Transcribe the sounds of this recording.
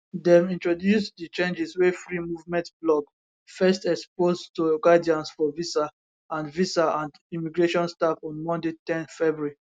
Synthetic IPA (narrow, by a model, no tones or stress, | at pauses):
dɛ̃mĩntɹodjusdit͡ʃẽnd͡ʒiswɛfɹimuvmɛ̃ntblɔɡ | fɛstɛkspoztuɡadiãnsfɔvisa | ãnvisaãnd | imiɡɹeʃɔ̃nstafɔ̃nmɔ̃ndetɛ̃nfɛbui